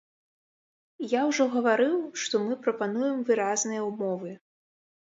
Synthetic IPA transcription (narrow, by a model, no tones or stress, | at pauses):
jawʐɔɣɐvaɾɨwʂt̪ɔmɨpɾɐpanujɛmvɨɾaznɨjɐumɔvɨ